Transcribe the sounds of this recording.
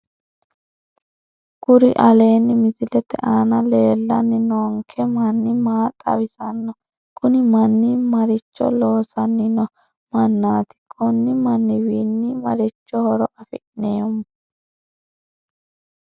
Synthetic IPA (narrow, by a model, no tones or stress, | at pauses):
ɡ̥ʊɾɪ̰ʔɐle̞ːnːɪmɪsɪlɛt̪ːɛ̰ʔaːnɐleːlːɐnːɪnoŋkʰɛmɐnːɪmaːt̪ʼɐ̰wɪsɐnːɔ | kʼʊnɪmɐnːɪmɐɾɪt͡ʃːɔ̰lo̞ːsɐnːɪnɔ | mɐnːaːt̪ɪ̥kʰʼɔnːɪmɐnːɪwiːnːɪmɐɾɪt͡ʃːɔhɔɾɔʔɐfɪʔneːɔm